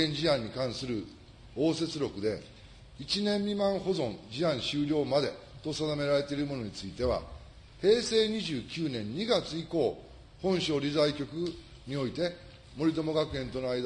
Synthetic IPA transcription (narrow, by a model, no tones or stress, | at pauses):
ẽ̞ɲd͡ʑiãɲ̟ːikãɰ̃sɨɾɯ̟ | o̞ːse̞t͡sɨɾʲo̞kɯ̟d̪e̞ | it͡ɕinẽ̞mːʲimãɰ̃ho̞zõ̞nd͡ʑiãɰ̃ɕɨːɾʲo̞ːmad̪e̞t̪o̞sad̪ame̞ɾaɾe̞t̪e̞iɾɯmo̞noɲ̟it͡sɨit̪e̞βa̰ | he̞ːse̞ːɲ̟iʑɨːkʲɨːnẽ̞ɲ̟ːiɡat͡sɨiko̞ː | hõ̞ɰ̃ɕo̞ːɾʲizaikʲo̞kɯ̟ | ɲ̟io̞it̪e̞ | mo̞ɾʲit̪o̞mo̞ɡakɯ̟ẽ̞nt̪o̞noaid̪